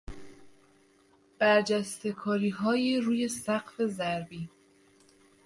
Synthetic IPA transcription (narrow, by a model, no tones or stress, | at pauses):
b̥æɾd͡ʒæst̪e̞kʰɒːɾiːɦɒːjiɾuːje̞sæɢfe̞zæɾbiː